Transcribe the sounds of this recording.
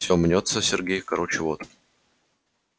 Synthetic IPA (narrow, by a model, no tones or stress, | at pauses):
sʲomnʲot̪səsʲɪrɡʲejkɐɾot͡ɕɪvot̪